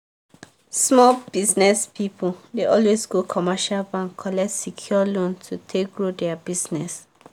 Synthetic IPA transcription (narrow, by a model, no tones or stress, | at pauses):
smɔlbiznɛspipʰudeɔlwezɡokʰɔmaʃalbãŋkʰːɔlɛk̚tsikʰjɔlõntʰutʰek̚ɡɹodɛabiznɛs